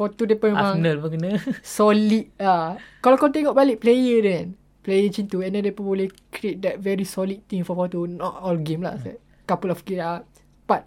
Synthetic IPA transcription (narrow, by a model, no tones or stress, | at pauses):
fɔt̪udɛpə̃mɛ̃mãnəlbəkənəsɔlit̚akɔlkɔ̃nt̪ɛŋɔʔbaliʔplejədɛ̃n | plejət͡ʃĩnt̪uɛ̃ndɛ̃ndɛpə̃bolekɾiet̚dɛt̚vɛɾisɔlid̚t̪ĩŋfɔfɔt̪unɔtɔlɡẽmla̰sɛ̰ | kapəlɔfkia | b̥at̚